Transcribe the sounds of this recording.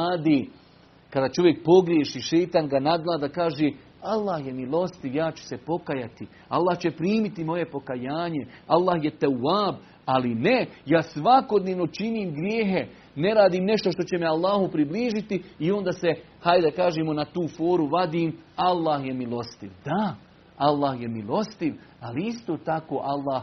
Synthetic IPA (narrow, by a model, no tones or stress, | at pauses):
aːd̪iː | kad̪at͡ʃo̞ʋje̞k̚po̞ɡɾjeːʃiːʃe̞jt̪aːnɡanad̪lˠaːd̪akaːʒeː | alˠːaːhjemilˠo̞st̪iʋjaːt͡ɕu̥se̞po̞kajat̪i | a̰lˠːaːht͡ɕe̞pɾiːmit̪imo̞je̞po̞kajaːɲe̞alˠːaːhjet̪awːaːb | alinejaːsʋako̞d̪neʋno̞t͡ʃiniːmɡɾjeːɦe̞ | ne̞ɾaːd̪iːmne̞ʃt̪o̞ʃt̪o̞t͡ɕe̞mealˠːaːhupɾibliːʒit̪iio̞nd̪aːse | hajd̪akaːʒeːmonat̪uːfoːɾuʋad̪iːmalːaːhjemilˠo̞st̪ḭʋd̪̥a | alːaːhje̞milo̞st̪iʋaliist̪o̞ːt̪akoːʔalːaːh